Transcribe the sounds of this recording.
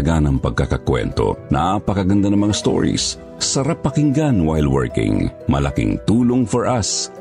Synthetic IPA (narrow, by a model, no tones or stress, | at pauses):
ɡanɐŋpɐɡ̚kakɐkwɛ̰nt̪o̞̰nɐ̰pɐkɐɡɐnd̪anɐŋmɐŋast̪o̰ɹḭsː | ɐɾapːɐkɪŋɡanwajld̪wɛɹkɪ̰̃ŋmɐ̰lɐkɪ̰ŋt̪uːloŋfɔɹʔɐs